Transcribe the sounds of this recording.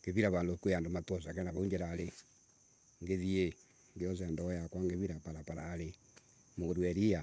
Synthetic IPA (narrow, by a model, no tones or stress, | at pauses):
ɡ̥eβiɾaβaːndokueandomatwɔsakɛnaβauɲd͡ʒeɾaɾe | ŋɡeðie | ŋɡeɔs̬ɛndɔjakwaŋɡeβiɾapaɾapaɾaɾe | moɾwɛɾia